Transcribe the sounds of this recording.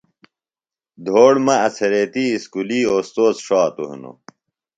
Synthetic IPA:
d̪ʱoːɽmɐɐt͡sʰɐɾet̪iːskuliːoːst̪oːt͡sʂaːt̪uɦḭno̰

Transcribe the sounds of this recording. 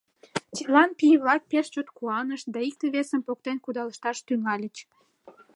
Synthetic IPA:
t͡ɕəlɑnpiβlɑk̚peʃt͡ɕot̪kuɑnəʃd̪ɑik̚t̪eβesəmpok̚t̪enkud̪ɑləʃt̪ɑʃt̪yŋɑlʲət͡ɕ

